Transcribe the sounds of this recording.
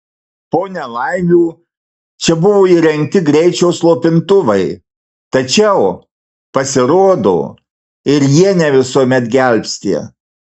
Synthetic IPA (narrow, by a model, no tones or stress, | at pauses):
poːnʲɛlˠɐɪʋʲuː | t͡ʃʲɛbʊʋoːiːɾʲɛŋʲk̚t̪ʲɪɡɾʲɛɪt͡ʃʲɛʊslˠoːpʲɪnt̪ʊʋɐɪ | t̪ɐt͡ʃʲɛʊ | pɐsʲɪɾoːd̪o̰ː | ɪɾjiɛnʲɛʋʲɪsuɔmʲɛt̪ɡʲɛlʲpʲsʲt̪ʲḭ